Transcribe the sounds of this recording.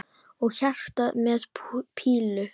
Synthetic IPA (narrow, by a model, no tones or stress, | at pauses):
ɔɣçar̥t̪aðmɛːðpʰiːlʏ